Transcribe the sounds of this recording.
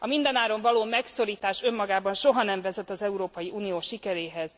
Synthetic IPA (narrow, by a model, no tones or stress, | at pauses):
ɒmind̪ɛnaːɾo̞ɱvɒloːmɛkso̞ɾiːt̪aːʃø̞mːɒɡaːbɒnʃo̞ɦɒnɛɱvɛzɛt̪ɒzɛuɾoːpɒjiʔuːnijoːʃikɛɾeːɦɛz̥